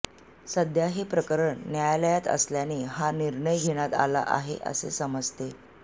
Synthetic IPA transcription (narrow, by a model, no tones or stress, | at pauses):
səd̪ʱjaɦepɾəkəɾəɳːjajləjat̪ə̰sljaneɦaniɾɳəjɡʱeɽ̃at̪a̰la̰ʔa̰ɦḛʔə̰sḛsəməd͡zt̪e